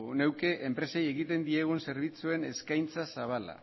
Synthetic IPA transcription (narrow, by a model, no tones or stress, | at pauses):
une̞wke̞ʔʔempɾe̞seje̞ɣit̪e̞nd̪ie̞ɣ̞unse̞ɾβ̞it͡sue̞ne̞skajnt͡sasaβ̞ala̰